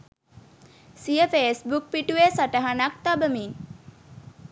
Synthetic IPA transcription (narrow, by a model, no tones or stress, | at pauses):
sijəfeːsbuk̚piʈuʋesaʈəɦanak̚t̪abəmiŋ